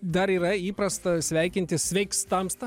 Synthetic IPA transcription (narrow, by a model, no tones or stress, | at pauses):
d̪ɐɾiːɾɐiːpɾɐst̪ɐsʲʋʲæɪkʲɪnʲt̪ʲɪsʲʋʲɛɪkst̪ɐmst̪ɐ